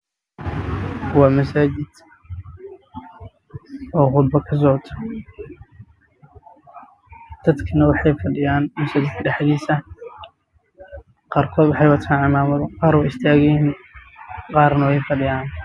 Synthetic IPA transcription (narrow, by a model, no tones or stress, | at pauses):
wɑːmɐsaːt͡ʃɪd̪̥ | ɔːqʊd̪bɐkʰɐs̬ɔːʕt̪ʰɔ | d̪̥ɐd̪kʰɐnɐwɑħɑjfɐɖɪjaːnmɐsaːt͡ʃɪd̪kʰɐɖɛħðiːsɐ | qɑːrkʰɔːd̪wʊħɑjwɐt̪ʰaːnʕɑmaːmɐðqɑːɾwʊɪst̪ʰaːɣɛn | qɑːrnɐwɛjfɐɖɪjaːn